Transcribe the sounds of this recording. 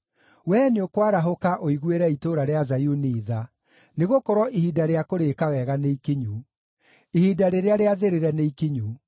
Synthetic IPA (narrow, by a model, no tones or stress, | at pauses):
wɛːneokwaɾaɦokaʔoiɣweɾɛitoɾaɾeazajuniːða | neɣokɔɾɔʔihidaɾeakoɾekawɛɣaneikiɲu | ihidaɾeɾeaɾeaðeɾeɾɛneikiɲu